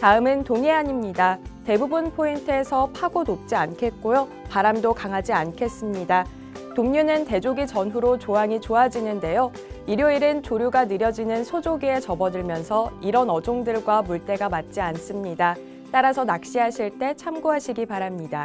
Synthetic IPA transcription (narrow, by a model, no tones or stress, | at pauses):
taɯmɯntoŋeɦaɲimɲidate̞bubunpʰointʰɯesʰʌpʰaɡonop̚t͡ɕ͈iankʰe̞t̚k͈ojo | paɾamdokaŋɦad͡ʑiankʰe̞s͈ɯmɲida | toŋɲunɯnte̞d͡ʑoɡit͡ɕʌnɦuɾot͡ɕoɦaŋit͡ɕoɦad͡ʑinɯnde̞jo | iɾjoiɾɯnt͡ɕoɾjuɡanɯɾjʌd͡ʑinɯnsʰod͡ʑoɡie̞t͡ɕʌbʌdɯɭmjʌnsʰʌiɾʌnʌd͡ʑoŋdɯɭɡwamuɭt͈e̞ɡamat̚t͡ɕ͈ians͈ɯmɲida | t͈aɾasʰʌnak̚ɕ͈iɦaɕʰiɭt͈e̞t͡ɕʰamɡoɦaɕʰiɡipaɾamɲida